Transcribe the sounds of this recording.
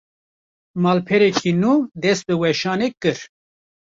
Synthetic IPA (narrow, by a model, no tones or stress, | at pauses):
mɑːlpʰɛɾɛkʰinuːd̪ɛst̪̚bɨwɛʃɑːneːkɨɾ